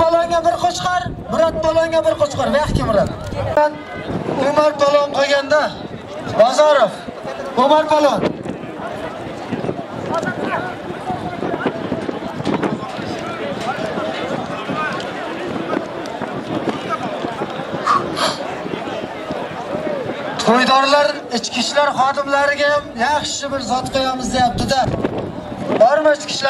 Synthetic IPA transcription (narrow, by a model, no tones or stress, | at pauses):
ɑlˠɔŋabɪɾqʰot͡ʃqɑɾ | bɪɾɒt̪̚pʰɒlˠɒŋʲabɪɾqot͡ʃqɑɾvaχkʲɪbʊɾad̪an | omaɾpɒlˠɒnqʰoɡʲand̪a | bɒzɒɾofomaɾpʰɒlˠɒn | t̪ʰojd̪ɒɾlaɾ | ɪt͡ʃkʲʰɪʃlaɾχɒd̪ɪmlaɾɪɡʲaamjɑχʃɪbɪɾzɒt̪qʰojɑmɪzd̪ejap̚t̪ɪd̪a | bɒɾmaɪt͡ʃkʲɪ̥ʃl